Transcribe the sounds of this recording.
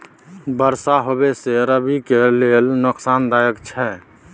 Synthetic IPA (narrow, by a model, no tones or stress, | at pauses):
bəɾsaɦobeseɾəbikelelnʊksaːnd̪aːjəkt͡ʃʰɛ